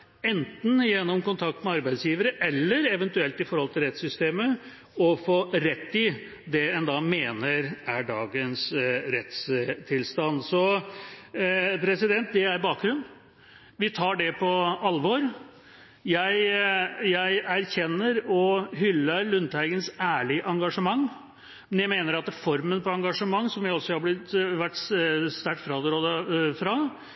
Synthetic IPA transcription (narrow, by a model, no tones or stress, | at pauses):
ɛnt̪n̩jɛnːɔmkʊnt̪ʰɑkt̪mɛɑɾbæɪd̪sjiːʋəɾəʔɛlːəɾɛʋɛnt̪ʉɛlt̪ɪfɔɾhɔlt̪ɪlɾɛt̪sʏst̪eːmə | ɔfoɾɛt̪ːɪ | d̪ɛɛnd̪ɑmeːnəɾæɖɑːɡənsɾɛt̪st̪ʰɪlst̪ɑnsɔ | pʰɾɛsɪd̪ɛnt̪̚d̪ɛæɾbɑːk̚ɡ̪ɾʉnː | ʋɪt̪ʰɑːɖɛpʰɔɑlʋɔɾ | jæɪjæɪæɾçɛnːəɾɔɦʏlːəlʉnt̪ʰæɾɡənsæːɭɪəʔɑŋɡɑʂəmɑŋː | mɛnjæɪmeːnəɾɑt̪fɔɾmənpɔɑŋɡɑʂəmɑŋːsɔmʋɪɔlsɔhɑɾblɪt̪ʋæʈːsst̪æʈːfɾɑd̪əɾoːd̪əfɾɑ